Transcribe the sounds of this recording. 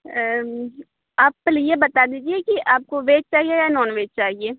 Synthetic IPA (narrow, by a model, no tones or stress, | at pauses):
aːplijebɐt̪aːd̪iːd͡ʒiekiʔaːp̚koʋeːt͡ʃt͡ʃaːɦijejanɔːnʋeːt͡ʃt͡ʃaːɦieː